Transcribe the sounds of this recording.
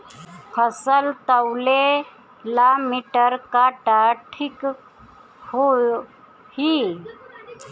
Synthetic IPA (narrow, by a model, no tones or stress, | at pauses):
fʰəsəlt̪əwle | lamiʈəɾkaʈaʈʰik | ho | hi